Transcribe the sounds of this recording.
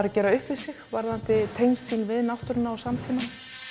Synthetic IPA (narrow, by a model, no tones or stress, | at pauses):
ɾacɛːɾaʏhpvɪðsɪxvaɾðan̥t̪ɪt̪ʰeːjmst̪siːnvɪðnawht̪ʏɾɪnːaːwsamt̪ʰiːma